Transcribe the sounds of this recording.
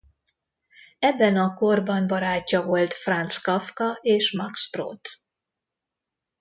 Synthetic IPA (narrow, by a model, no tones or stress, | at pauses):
ɛbːɛnɒko̞rbɒnbɒɾaːcːɒvo̞lt̪frɒnt̪skɒfkɒeːʃmɒkspro̰ːt̪